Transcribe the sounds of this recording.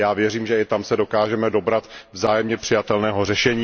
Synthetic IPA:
jaːvjɛriːmʒɛɪt̪amsɛdo̞kaːʒɛmɛdo̞bɾat̪vzaːjɛmɲɛpr̝̥ɪjat̪ɛlnɛːɦo̞rɛʃɛɲiː

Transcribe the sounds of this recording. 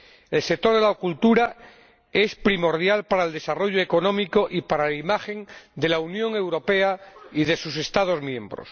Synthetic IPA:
e̞lsek̚t̪o̞ɾð̞e̞laokult̪uɾa | e̞spɾimo̞ɾðjalpaɾaeld̪e̞saro̞ʝoeko̞nõ̞miko̞ʔipaɾalaimaxe̞nd̪e̞launjõ̞ŋe̞wɾo̞pe̞aiðe̞suse̞st̪að̞o̞zmjẽ̞mbɾo̰s

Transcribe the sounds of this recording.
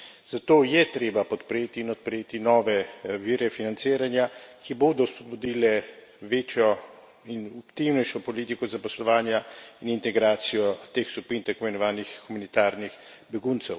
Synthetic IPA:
z̥at̪oːjɛt̪ɾeːbapɔt̪pɾeːt̪iːnɔt̪̚pɾeːt̪inɔːʋɛʋiːɾɛfinansiːɾanjakʰiboːd̪ɔspɔd̪̚bud̪iːlɛ | ʋeːt͡ʃjɔ | inɔkt̪iwnɛjʃɔpɔliːt̪ikɔzapɔslɔʋaːnjainint̪ɛɡɾaːt̪sijɔt̪eːxskupint̪akomɛnɔʋaːnixxumanit̪aːɾnix | bɛɡunt̪sɛw

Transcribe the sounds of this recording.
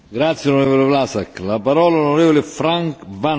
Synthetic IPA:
ɡɾat̪sjeooɾɛːvolevlasakːlapaɾɔːlalonoɾɛːvolefɾaŋkva

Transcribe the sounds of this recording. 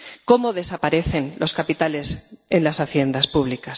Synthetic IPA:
ko̞moðe̞sapaɾe̞θe̞nlʔo̞skapit̪ale̞senlasaθje̞nd̪aspuβ̞likas

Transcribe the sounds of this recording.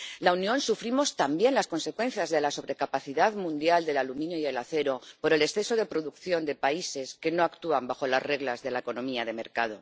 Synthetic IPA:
launjõ̞nsufɾimo̞st̪ambje̞nlasko̞nse̞kwe̞n̟θjazðe̞laso̞β̞ɾe̞kapaθiðaðmũnd̪jald̪e̞lalumĩnjoiðe̞laθe̞ɾo̞po̞ɾe̞le̞sθe̞soðe̞pɾoðukθjo̞nd̪e̞paise̞ske̞noakt̪uambaxo̞lazre̞ɣlazðe̞laeko̞nõ̞miað̞e̞me̞ɾkað̞o̞̰

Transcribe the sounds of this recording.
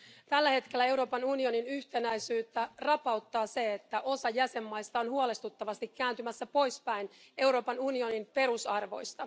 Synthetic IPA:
t̪ælːæhe̞t̪ke̞lːæe̞wɾo̞ːpɑnunio̞ninyçt̪e̞næjsyːt̪ːærɑpɑwt̪ːɑːse̞et̪ːæʔo̞sɑjæse̞mːɑjst̪ɑonhuole̞st̪ut̪ːɑʋɑst̪ikːæːnt̪ymæsːæpo̞jspæjne̞wɾo̞ːpɑnunio̞nimpe̞ɾusɑrʋo̞̰jst̪ɑ

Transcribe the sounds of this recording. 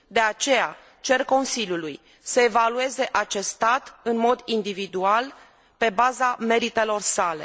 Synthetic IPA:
d̪e̞at͡ʃe̞ja | t͡ʃe̞rko̞nsilʲjuluj | səe̞value̞ze̞ʔat͡ʃe̞st̪at̪ɨnmo̞d̪ind̪ivid̪ual | pe̞bazame̞ɾit̪e̞lo̞rsale̞̰

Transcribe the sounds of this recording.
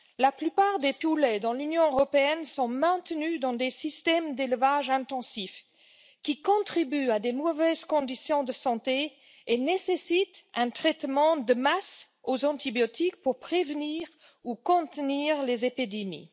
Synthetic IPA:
laplypaːʁd̪epulɛd̪ɑ̃lynjɔ̃øʁɔpeɛnsɔ̃mɛ̃t̪nyd̪ɑ̃d̪esist̪ɛmd̪elvaʒɛ̃t̪ɑ̃sif | kʲikɔ̃t̪χibyad̪emɔvɛzkɔ̃d̪isjɔ̃d̪əsɑ̃t̪e | enesesit̪ɛ̃t̪χɛt̪mɑ̃d̪əmas | ozɑ̃t̪ibjɔt̪ikpuʁpχevniːʁ | ukɔ̃t̪niʁlezepid̪emḭ

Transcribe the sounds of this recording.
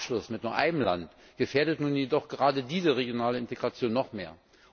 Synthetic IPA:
ʃlʊsmɪt̚nuːɐʔa̰ɪnəmla̰nt | ɡ̥əfeːɐdətnuːnjedɔχɡ̥əʁaːdədiːzəʁeɡjonaːləɪnteɡʁat͡sjoːnːɔχmeːɐ

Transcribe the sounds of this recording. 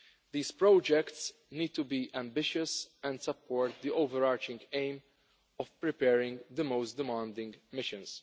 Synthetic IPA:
d̪iːspɾɔːd͡ʒɛkt̪s | niːd̪̚t̪ubiːʔæ̃mbɪʃʊsɛ̃nd̪sɐpʰːɔːɾt̪̚d̪iʔoʊvɛɾaːɾt͡ʃɪ̃ŋɡẽɪ̃m | ɔfpɾɪpɛːɾɪ̃ŋɡd̪əmoʊstd̪ɪmɑ̃ːnd̪ɪ̃ŋɡmɪʃɪ̃ns

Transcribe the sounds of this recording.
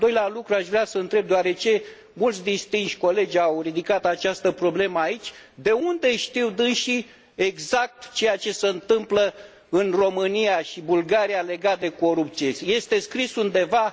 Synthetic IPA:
d̪o̞jlealukɾuaʃvɾeasəɨnt̪ɾe̞b̚d̪oaɾe̞t͡ʃe̞ | mult̪sʲd̪inst̪inʃʲko̞le̞d͡ʒʲawrid̪ikat̪at͡ʃast̪əpɾo̞ble̞məait͡ʃʲd̪e̞und̪e̞ʃt̪iwd̪ɨnʃi | e̞ɡzak̚t̪t͡ʃe̞jat͡ʃe̞se̞ɨnt̪ɨmplə | ɨnro̞mɨnijaʃibulɡaɾiale̞ɡat̪̚d̪e̞ko̞ɾup̚t̪sieje̞st̪e̞skɾisund̪e̞va

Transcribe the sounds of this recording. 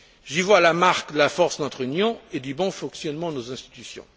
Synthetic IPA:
ʒivwalamaʁkd̪əlafɔʁsnɔt̪χynjɔ̃ed̪ybɔ̃fɔ̃ksjɔnmɑ̃d̪ənozɛ̃st̪i̥t̪ysjɔ̰̃

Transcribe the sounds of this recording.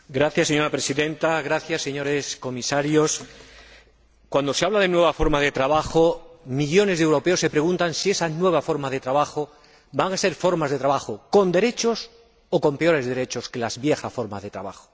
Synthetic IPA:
ɡɾaθjasːeɲo̞ɾapɾe̞siðe̞nt̪aɣɾaθjasːe̞ɲo̞ɾe̞sko̞misaɾjo̞s | kwand̪o̞se̞aβlaðe̞nwe̞β̞afo̞ɾmaðe̞t̪ɾaβ̞axomiʎo̞ne̞zðewɾo̞peo̞sːe̞pɾe̞ɣũnt̪ansie̞sanwe̞β̞afo̞ɾmaðe̞t̪ɾaβaxo̞ | baŋase̞ɾfo̞ɾmazðe̞t̪ɾaβaxoko̞nd̪e̞ɾe̞t͡ʃo̞s | oko̞mpe̞o̞ɾe̞zðe̞ɾe̞t͡ʃo̞ske̞lazβje̞xasfo̞ɾma̰zðe̞t̪ɾa̰βa̰xo̥

